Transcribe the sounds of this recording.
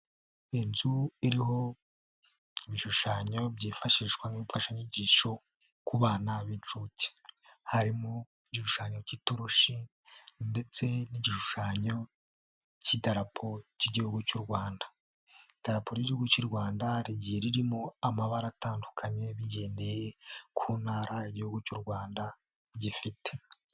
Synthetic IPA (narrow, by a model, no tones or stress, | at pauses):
enzuiɾiho̞ | iβiʃuʃaɲo̞bɟiːfaʃiʃɡwaniːɱfaʃaɲiɟiːʃo̞ | kuβaːnaβint͡ʃuce̥ | haɾimo | iɟiʃuʃaːɲo̞cituɾuʃi | nde̞t͡se̞niɟiʃuʃaɲo̞ | citaɾapʰociɟihuɡucuɾɡwaːndḁ | id̥aɾapoɾiɟihuɡucuɾɡwaːndaɾiɟijeɾiɾimoamaβaɾataːndukʰaɲe̞βiɟe̞ːnde̞jekʰuːnhaːɾʔaiɟihuɡucuɾɡwaːnda | ɟifite̥